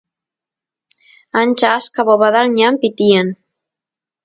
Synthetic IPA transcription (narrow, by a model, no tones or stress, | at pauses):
anʲt͡ʃaskaβoβaðalɲampit̪ien